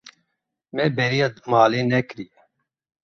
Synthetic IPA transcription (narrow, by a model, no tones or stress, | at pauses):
mɛːbɛɾiɐmaːleːnɛkɾiː